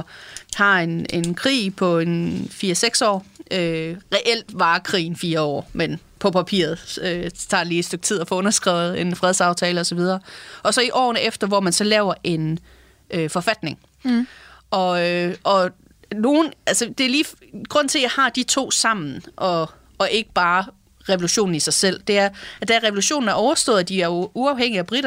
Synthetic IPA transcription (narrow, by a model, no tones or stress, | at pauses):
hɑ̈e̝nenkʰʁḭːpʰɒ̽enfiːɐseɡ̥sɒ̰ːøʁɛʔel̰d̥ʋɑ̈ːkʰʁḭːn̩fiːɐɒ̰ːmen | pʰɒ̽pʰæpʰḭːɐð̞̩ˠøt͡sʰɑ̈ːeliːsd̥øɡ̥̚t͡sʰið̰ˠɒfɔ̽ɔ̽nɐsɡ̥ʁaʊð̩ˠe̝nfʁɛð̞ˠsɑ̈ʊt͡sʰɛːləɒ̽sɒʋið̞ˠɐːʔɒ̽sɒ̽iʔɒ̰ːnəʔefd̥ɐʋɒmænsɒ̽lɛːʊɐʔe̝n | øfɒ̽fæd̥ne̝ŋ | ʔɒ̽øʔɒ̽ | no̝ːn̩ælsəd̥e̝æɐliːf | ɡ̥ʁɔ̽n̰t͡sʰe̝ljɑ̈ɪhɑ̈d̥it͡sʰo̝̰ːsɑ̈m̰n̩ʔɒ̽ː | ʔe̝ɡ̥əb̥ɑ̈ː | ʁɛʋo̝luɕo̝̰ːn̩isɑ̈ɪsel̰d̥e̝æɐæd̥æʁɛʋo̝luɕo̝̰ːn̩æɐɒʊɐsd̥ɔ̰̽ːð̩ˠd̥iæɐjouɑ̈ʊheŋ̰iæb̥ʁiɾ̥ɐ